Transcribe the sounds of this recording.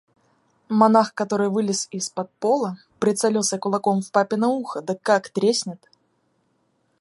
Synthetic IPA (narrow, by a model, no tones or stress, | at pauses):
mɐnaxkɐt̪oɾɨjvɨlʲɪsɪspɐt̪̚polˠə | pɾʲɪt̪sɐlʲelˠsʲəkʊlˠɐkomfpapʲɪnəuxəd̪əkːakt̪ɾʲesʲnʲɪt̪